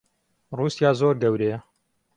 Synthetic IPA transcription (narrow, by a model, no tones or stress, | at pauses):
ruːsijaːzoːɾɡɐwɾejɐ